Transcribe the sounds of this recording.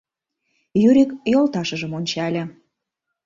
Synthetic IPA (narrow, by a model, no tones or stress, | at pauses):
jyɾʲikjolt̪ɑʃəʒəmonʲt͡ɕɑlʲĕ